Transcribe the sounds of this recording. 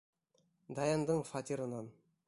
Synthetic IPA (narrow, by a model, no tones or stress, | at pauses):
d̪ɑjɑnd̪əɴfɑt̪iɾənɑn